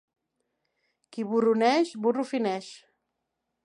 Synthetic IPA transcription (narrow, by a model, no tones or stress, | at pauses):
kiβurunɛʃburufinɛʃ